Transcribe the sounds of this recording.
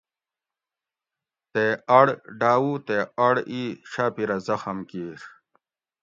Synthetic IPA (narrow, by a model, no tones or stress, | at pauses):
t̪eɐɽɖaːwut̪eɐɽiɕaːpiɾɐzɐxɐmkiːɾ